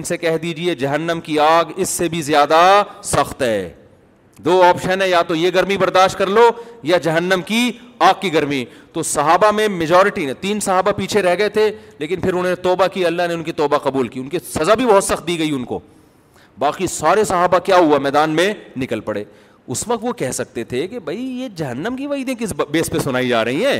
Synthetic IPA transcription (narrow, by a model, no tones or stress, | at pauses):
ɪnsekɛɦd̪iːd͡ʒied͡ʒɐɦənːəmkiaːɡɪsːebʱizjaːd̪asɐxt̪ɦɛː | d̪oːɔːpʃənɦɛ̃jat̪ojeɡɐɾmibɐɾd̪aːʃʈ̚kɐɾlojad͡ʒɐɦənːəmkiaːɡ̚kːiɡɐɾmit̪osɐɦaːbamẽmɪd͡ʒɔːɾɪʈinẽt̪iːnsɐɦaːbapiːt͡ʃʰeɾɛɦɡɐet̪ʰeleːkɪnpʰɪɾʊnɦonet̪ɔːbakiɐlːaɦneʊnkit̪ɔːbaqɐbuːlkiːʊnkisɐzabʱibɐɦʊt̪sɐxt̪̚d̪iːɡɐiʊnko̰ː | baːqisaːɾesɐɦaːbakjaːɦʊamɛːd̪aːnmẽnɪkəlpɐɽḛː | ʊsʋɐkt̪ʋokɛɦsɐk̚t̪et̪ʰekebʱɐijed͡ʒɐɦənːəmkiʋaːiːd̪ẽkɪsbeːspesʊnaːid͡ʒa̰ːɾɐɦiɦɛ̃ː